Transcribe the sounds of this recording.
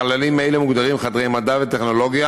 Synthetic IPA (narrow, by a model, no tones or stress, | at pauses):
alalimaelemuɡd̪aʁimχad̪ʁejmad̪avet̪eχno̞lo̞ɡja